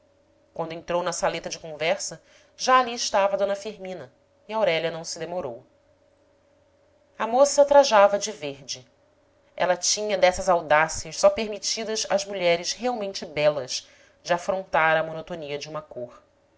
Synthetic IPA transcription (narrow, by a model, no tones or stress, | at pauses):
kwɐ̃nd̪ʊẽnt̪ɾownɐsalet̪ɐd͡ʒɪkõvɛɾsɐ | ʒaːliɪʃt̪avɐd̪õnɐfiɾmĩnɐ | iawɾɛʎɐnɐ̃w̃sɪd̪emoɾow | ɐmosɐt̪ɾaʒavɐd͡ʒɪveɾd͡ʒɪ | ɛ̰lɐt͡ʃĩɲɐd̪ɛsɐzawd̪asiɐʃsɔpeɾmit͡ʃid̪ɐzɐzmuʎɛɾɪʃɦeawmẽnt͡ʃɪbɛlɐz | d͡ʒɪafɾõnt̪aɾɐmonot̪oniɐd͡ʒɪũmɐkoχ